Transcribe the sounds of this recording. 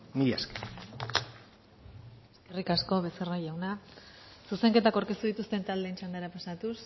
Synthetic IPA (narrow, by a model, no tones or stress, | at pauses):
miaskḁ | eske̞rikasko̞βe̞serajawna | suse̞ŋke̞t̪akoɾkest̪uð̞it̪ust̪e̞nt̪ald̪eːnt͡ʃand̪eɾapasat̪us